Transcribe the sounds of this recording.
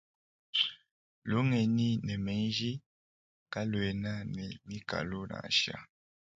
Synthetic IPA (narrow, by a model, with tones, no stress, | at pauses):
lo˨˦ŋɛ˨ni˦nɛ˨mɛ˨˦n˦ʒi˦ | ka˦lwɛ˨na˦nɛ˨mi˦ka̰˨lo˦na̰˨ʃa̰˦